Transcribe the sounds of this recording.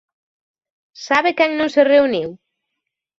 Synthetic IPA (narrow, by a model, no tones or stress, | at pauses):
saβekɛŋnõŋsereuniw